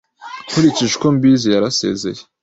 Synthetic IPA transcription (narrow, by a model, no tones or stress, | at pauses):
huɾiciʒeko̞mbizijaɾase̞̰ːze̞̰je̥